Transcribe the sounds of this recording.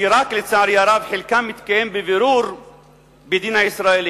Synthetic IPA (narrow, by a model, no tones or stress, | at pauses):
iɾaklɪt͡sːaʕɾjaɾˤabħɪlkamːɪt̪kajembɪvɪɾuːɾ | bɪd̪iːnaɪsɾaːʔeliː